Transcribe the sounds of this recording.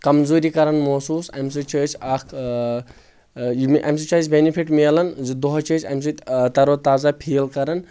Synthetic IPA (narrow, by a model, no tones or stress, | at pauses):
kɐmzoːɾikɐɾɐnmoːsuːsɐmsɨt͡ʃəːt͡ʃʰakʰ | jmʔɐ̰msɨt͡ʃaːzbenipʰiʈmeːlɐnzɨd̪oɦt͡ʃəːt͡ʃʲɐ̰mʲs̬ɨt̪ɐɾoːt̪aːzapʰiːlkɐɾɐn